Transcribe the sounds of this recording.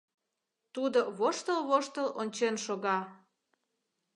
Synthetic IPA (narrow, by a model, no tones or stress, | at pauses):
t̪ud̪oβoʃt̪əlβoʃt̪əlonʲt͡ɕenʃoɣɑ